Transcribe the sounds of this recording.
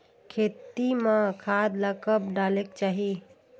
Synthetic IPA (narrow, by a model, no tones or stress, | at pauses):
kʰet̪imãkʰad̪ləkəbɖalekt͡ʃaːɦi